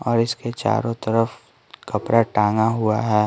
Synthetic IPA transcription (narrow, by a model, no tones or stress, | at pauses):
ɔːɾɪsket͡ʃa̰ːɾõt̪ɐɾəf | kɐpɾaʈãːŋɡaɦʊa̰ɦɛː